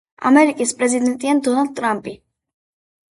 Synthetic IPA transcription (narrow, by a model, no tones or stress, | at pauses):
a̰mɛɾikʼispʼɾɛzid̪ɛnt̪ʼiand̪ɔnald̪̚t̪ʰʼɾampʼi